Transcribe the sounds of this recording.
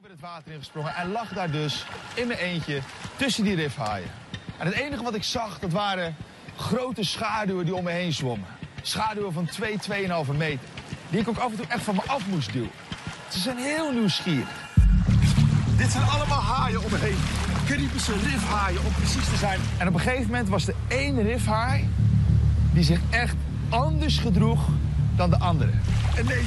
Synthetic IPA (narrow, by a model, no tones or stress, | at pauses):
ʋəətʋaːtərɪnχə̥sproŋəʔɛnlɑχdaːrdøsɪnmənejncətɵsəndirɪfɦa̰ːjə̰ | ʔɛnɦətejnəχəʋɑtɪksɑχdɑtʋaːɾə | χrowtəsχaːdywədiɔmɛɦejnzʋoməsχaːdyəvɑntʋejtʋejənɦɑlˠvəmejtərdiɪkokɑfəntuʔɛχtfɑnməʔɑfmusdḭwə̰ntsəzɛjnɦɪːlˠnisχiːrə̰χ | dɪtsɛjnɑləmaːlˠɦaːjəɔməɦejnkənəitbəsərɪfɦaːjəɔmprəsistəzɛjn | ɛnɔp̬əχejvəmɛntʋɑsdə | ejnərɪfhaːj | dizɪχɛχt | ɑndəɹsχədruχ | d̥ɑndəʔɑndərə̰ɛne